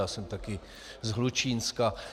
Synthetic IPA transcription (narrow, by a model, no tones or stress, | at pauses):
aːsɛmt̪akɪ | zɦlut͡ʃiːnska